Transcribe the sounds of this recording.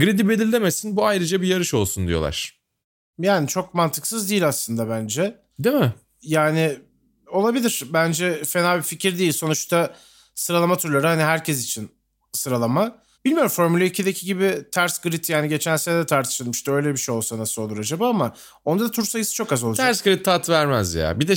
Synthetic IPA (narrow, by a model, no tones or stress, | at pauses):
ɡɾed̪ibelʲilʲd̪emesinbuajɾɯd͡ʒabijaɾɯʃo̞lˠsund̪ijo̞lˠa̰ɾ̥ | jaːnit͡ʃʰo̞k̚mant̪ʰɯksɯzd̪iːilʲaslˠɯnd̪abænd͡ʒɛ | d̪emɪ | jaːnɪ | o̞lˠabilʲiɾ̥bænd͡ʒɛfenaːbificiɾd̪iːlʲso̞nut͡ʃt̪ʰa | sɯɾalˠamat̪ʰuɾlˠaɾɯhaniɦæɾcʰɛsit͡ʃʰin | sɯɾalˠama | b̥ilʲmijo̞ɾumfo̞ɾmylʲeicʰid̪ecʰiɟibit̪ʰæɾsɡɯɾit̪jaːniɟe̞t͡ʃʰænʲseɛd̪ɛt̪ʰaɾt̪ʰɯ̥ʃɯlˠmɯʃt̪aø̞jlʲɛbiʃejo̞lˠsanasɯo̞lˠuɾad͡ʒabaːama | o̞nd̪ad̪at̪ʰuɾsajɯsɯ̥t͡ʃʰo̞kazolˠad͡ʒ̪ʰæɾsɡɯɾit̪ʰːat̪ʰvæɾmæzja̰ːbid̪ɛ